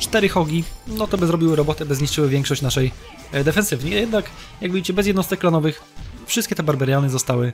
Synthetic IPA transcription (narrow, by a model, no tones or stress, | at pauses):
t͡ʂt̪ɛɾɘxɔɡʲinɔt̪ɔbɘzɾɔbʲiwɘɾɔbɔt̪ɛbɘzɲiʂt͡ʂɘwɘvʲjɛŋkʂɔɕt͡ɕnaʂɛj | d̪ɛfɛnsɘvɲʲijɛd̪nak | jaɡvjit͡ɕɛbɛzjɛd̪nɔst̪ɛk̚ːlanɔvɘx | fʂɘst̪kʲɛt̪ɛbaɾbɛɾʲjanɘzɔst̪awɘ